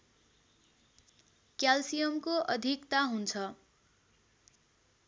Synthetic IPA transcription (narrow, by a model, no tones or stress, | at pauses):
kjalsijʌmkoʔʌd̪ʱikt̪aɦunt͡sʰʌ